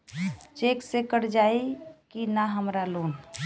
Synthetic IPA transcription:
t͡ʃeːksekəɾd͡ʒaːikinaɦəmɾaloːn

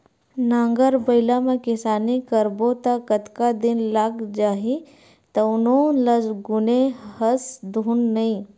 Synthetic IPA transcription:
nãːŋɡəɾbəɪlamẽkɪsaːnikəɾbot̪akət̪kad̪ɪnlaːkd͡ʒaːɦi | t̪ɐnõləsɡʊnehəsd̪ʱuːnːɐĩ

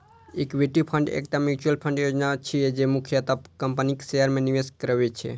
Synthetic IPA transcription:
ekʋeʈipʰəɳɖḛk̚ʈ̪amjut͡ʃuəlpʰə̃ɳɖjod͡ʒnat͡ʃʰied͡ʒemukʰjət̪apkəmpəniksejəɾmẽniʋeskɾəʋet͡ʃʰḛ

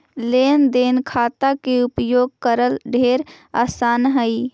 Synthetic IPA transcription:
lend̪enkʰat̪akeupjoːɡ̚kəɾəlɖʱeɾ | a̰ːsaːnɦəɪ

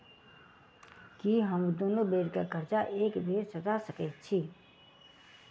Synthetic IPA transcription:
kiɦəmd̪oːnobeːɾkakəɾt͡ʃaʔeːkbʱeːɾsəd͡ʒ̪asəkɛt̪̚t͡ʃʰi

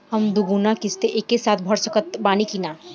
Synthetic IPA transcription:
həmd̪uɡunakɪst̪eʔekːesaːt̪̚ʰbʱəɽsəkət̪̚baːnikina

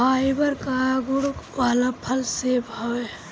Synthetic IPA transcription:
aːibəɾkaɡuɽʋaːlapʰəlsebʱəwe

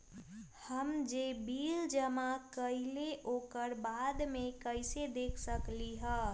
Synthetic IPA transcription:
həmd͡ʒebiːld͡ʒəmakəɪleoːkəɾbaːd̪mẽkəɪsed̪eːkʰsəkliɦə̃ː

